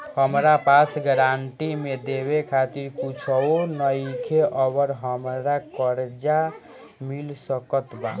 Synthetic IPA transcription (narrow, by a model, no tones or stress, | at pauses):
həmɾapasɡəɾaɳʈimed̪ebekʰat̪iɾkut͡ʃʰɔonəjkʰeʔəbəɾɦəmɾakəɾd͡ʒa | milsəkət̪ba̰